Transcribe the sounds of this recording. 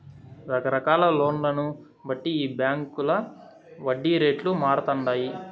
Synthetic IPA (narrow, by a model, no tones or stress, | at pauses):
ɾɐkɐɾɐkaːlɐloːɳlɐnu | bɐʈːiiːbjaːŋkulɐ | ʋɐɖːiɾe̞ːʈlumaːɾɐt̪ɐɳɖaːji